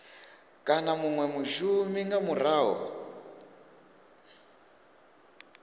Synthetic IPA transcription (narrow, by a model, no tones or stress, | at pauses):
kʼanamuŋwɛmuʃumiŋɡamuraːɦɔ̰